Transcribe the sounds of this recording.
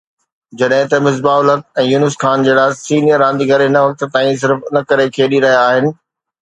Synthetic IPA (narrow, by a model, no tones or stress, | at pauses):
d͡ʑɐɗɦɪ̃t̪ɐmɪzbaːʊlɐk̪ɛ̃ːjuːnɪskʰaːnd͡ʑeːɽasiːnijəɾːãːnd̪iɡʱɐɾenɐʋɐk̚t̪t̪ãːĩs̬ɪɾfʊnɐkɐɾekʰeːɗiɾɐɦijaːɦɪnɪ̆